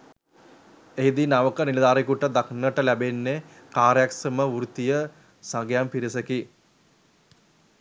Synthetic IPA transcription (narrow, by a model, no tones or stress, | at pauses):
eɦid̪inaʋəkəniləd̪aːɾikuʈəd̪aknəʈəlæbenːe | kaːɾjaksəməʋuɾut̪ijə | saŋɡjampiɾisəki